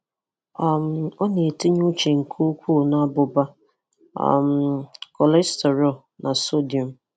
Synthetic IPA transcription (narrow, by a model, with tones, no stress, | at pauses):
a˨m̩˨˦ɔ˦ne˨tɪ˦ɲʊ˦t͡ʃe˨ŋ̩˨kʰo˦kʷu˦˨na˦bʊ˨ba˦ | ɔ̰˨m̩˦kɔ˨lɛ˦ste˨ɾɔ˦˨ | nʔa˨so˦di˨ɔ˨m˨